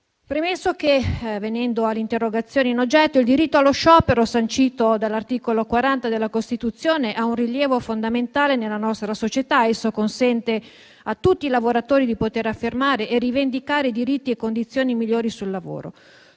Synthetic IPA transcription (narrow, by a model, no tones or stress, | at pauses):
pɾemesːokevenɛnd̪oalːeint̪erːoɡat̪sːjoːneinod͡ʒːɛt̪ːoild̪iɾit̪ːoalːoʃɔːpeɾosant͡ʃiːt̪od̪alːart̪iːkolokwaɾant̪ad̪elːakost̪it̪ut̪sːjoːneʔaunriljɛːvofond̪ament̪aːlenelːanɔst̪ɾasot͡ʃet̪aesːokonsɛnt̪e | at̪ːut̪ːiːlavoɾat̪oːɾid̪ipot̪eɾafːermaːɾeʔːrivend̪ikaːɾed̪iɾit̪ːiekːond̪it̪sːjoːnimilːoːɾisulːavo̰ːɾo̰